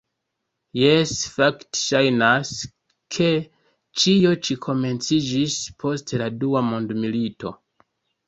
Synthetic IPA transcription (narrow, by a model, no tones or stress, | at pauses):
jesfaktʃajnas | kʰe̞ | t͡ʃio̞t͡ʃikʰo̞me̞nt͡sid͡ʒispʰo̞steladuamondmilito̞̰